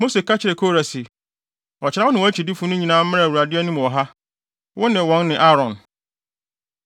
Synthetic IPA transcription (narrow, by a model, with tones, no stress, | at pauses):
mo˦se˨ka˦t͡ɕʰɪ˨ɾɪ˨kʰo˦ɾa˨sɪ˨ | ɔ˨t͡ɕʰɪ˨ɾa˦ʊ˦nɪ̃˨wɔ˨˦æ˦t͡ɕʰi˨dɪ˦fʊ̃˦nʊ̃˦ɲĩ˨nãː˦m̩˦mɪ̃˦ɾa˨wu˨ɾa˨dɪ˦æ˦nũ˦m˨ɔ˨ɦa˦ | wʔʊ˦nɪ̃˨wɔ̃˦nːɪ̃˨ʔa˦ɾɔ̃˨n